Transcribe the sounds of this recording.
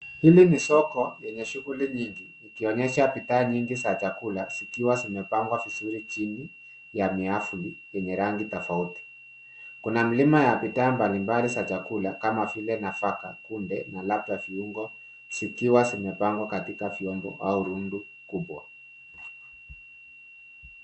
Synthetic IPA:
hilimisɔkɔjɛɲɛʃuɣuliɲiŋɡinikiɔɲɛʃapitaːɲiŋɡisat͡ʃakulasikiwasimɛpaŋɡwavisuɾit͡ʃini | jamiafulijɛɲɛɾaŋɡitɔfauti̥ | kunam̩limajapitaːmbalimbalisat͡ʃakulakamafilɛnafaka̰kumbɛnalap̚taviuŋɡɔ | sikiwasimɛpaŋɡwakatikaviɔmbɔ̰auɾundu | kubwa

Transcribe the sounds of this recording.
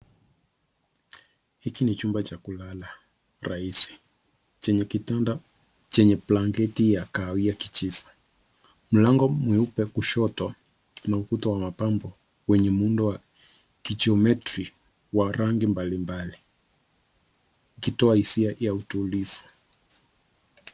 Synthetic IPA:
hikinit͡ʃumbat͡ʃakulala | ɾaisi̥ | t͡ʃɛɲɛkitanda | t͡ʃɛɲɛplaŋɡɛtijakaːwiaki̥t͡ʃifu̥ | m̩laŋɡɔmwiupɛkuʃɔtɔ | naukutɔwamapambɔ | wɛɲɛmundɔwa | kid͡ʒiɔmɛtɾi | waɾaŋɡimbalimbali | kitɔahisiajautulifu̥

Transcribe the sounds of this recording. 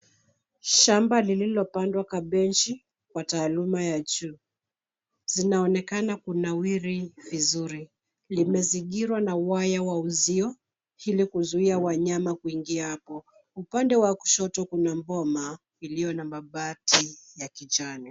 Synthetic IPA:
ʃambalililɔpandwakaɓɛnt͡ʃi | kwataːlumajad͡ʒuː | z̥inaɔnɛkanakunawiɾivizuɾi | limɛziɠiɾwanauwajawauziɔ | hilikuzuiawaɲamakuiŋɡiahapɔ | upandɛwaku̥ʃɔtɔkunambɔma | ilijɔnamaɓatijakit͡ʃani

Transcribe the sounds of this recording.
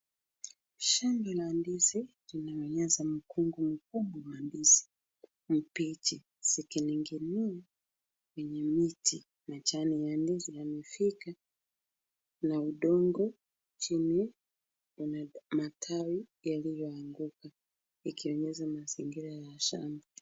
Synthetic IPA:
ʃaŋɡilandisi | linaɔɲɛzam̩kuŋɡum̩kuɓwawandisi̥ | m̩pit͡ʃi | sikiniŋɡinia | wɛɲɛmiti | nat͡ʃanijandizijanifika | nauɗɔŋɡɔ | t͡ʃini | unamatʰawijalijɔaŋɡuka | ikiɔɲɛzamaziŋɡiɾajaʃa̰mbi

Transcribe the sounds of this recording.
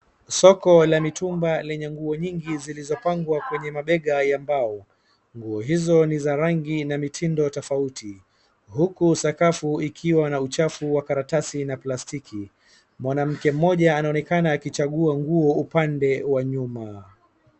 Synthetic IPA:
sɔkɔlamitʰumbalɛɲɛŋɡuɔɲiŋɡizilizɔpaŋɡwakwɛɲɛmaɓɛɠajambaɔ | ŋɡuɔɦizɔnizaɾaŋɡinamitʰindɔtɔfauti | hukusakafuikʰiwanaut͡ʃafuwakaɾatasinaplastikʰi | mwanam̩kɛm̩ːɔʄaːnaɔnɛkanaːkit͡ʃaɠuaŋɡuɔupandɛwaɲuma

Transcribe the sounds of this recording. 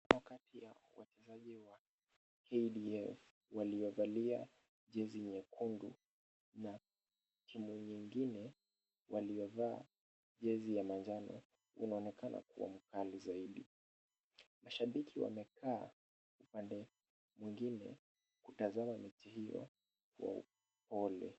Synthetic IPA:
wakatʰijawa̰t͡ʃɛzaʄiwa | kʰɛiɗiɛf | waliɔvalia̰ | ʄɛziɲɛkʰundu | na | tʰimuɲiŋɡinɛ | wʔaliɔvaː | ʄɛzijamaɲd͡ʒanɔ̰ | ṵnaɔnɛkanʔa̰kṵwa̰m̩kalizaiɗi | maʃaɓikʰiwa̰mɛkʰaː | upandɛ | mwiŋɡinɛ̰ | kutazamamɛtihijɔ̰ | kṵwa̰ṵ | pɔlɛ̰

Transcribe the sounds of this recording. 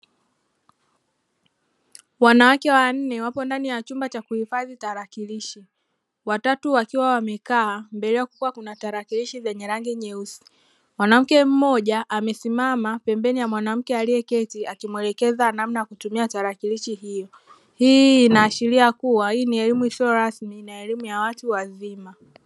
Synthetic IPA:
wanawakɛwan̩nɛwapɔndanijat͡ʃumbat͡ʃakuhifaðitaɾakiliʃi | watatuwakiwawamɛkaːmbɛlɛakukuwakunataɾakiliʃizɛɲɛɾaŋɡiɲɛusi̥ | mwanam̩kɛm̩mɔʄaʔamɛsimamapɛmbɛnijamwanam̩kɛaliɛkɛtiakimwɛlɛkɛzanamnajakutumiataɾakiliʃihijɔ | hiːnaːʃiɾiakuwahiːniɛlimuisiɔɾasminaɛlimujawatuwazima

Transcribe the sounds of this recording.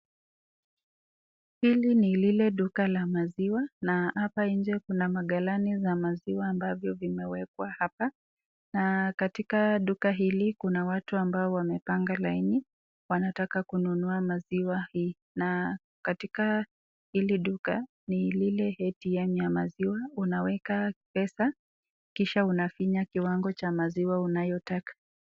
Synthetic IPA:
hilinililɛɗukalamaziwanahapaiɲd͡ʒɛkunamaɠalanizamaziwaːmbavjɔvimɛwɛkwahapa | nakatikaɗukaɦilikunawatuambaɔwamɛpaŋɡalaini | wanatakakununuamaziwahi | na | katika | hiliɗuka | nililɛhɛtijɛmjamaziwaunawɛkapɛsa | kiʃaunafiɲakiwaŋɡɔt͡ʃamaziwaunajɔtakḁ

